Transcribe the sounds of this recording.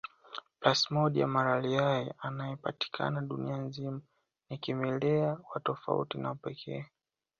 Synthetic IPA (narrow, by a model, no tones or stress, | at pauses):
plasmɔɗia̰maɾaliajɛʔanajɛpa̰ti̥kʰa̰naɗunianzima | nikimɛlɛawatɔfa̰ṵtinaupɛkʰɛ̰a